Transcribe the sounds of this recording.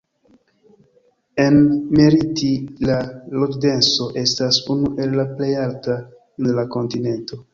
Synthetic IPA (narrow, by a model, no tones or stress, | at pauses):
e̞nmeɾitilalokde̞nso̞ʔe̞stasunuʔe̞lːaple̞jalta | enlako̞ntine̞nto̞